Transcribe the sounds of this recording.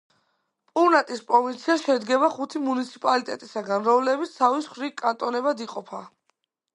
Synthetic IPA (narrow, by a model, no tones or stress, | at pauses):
pʼuɾnat̪ʼispʼɾɔvint̪sʰiaʃɛd̪ɡɛbaχut̪ʰimunit̪sʰi̥pʼalit̪ʼɛ̰t̪ʼisaɡanɾɔlɛbit̪ssʰavisχɾikʼant̪ʼɔnɛbad̪iqʼɔpʰa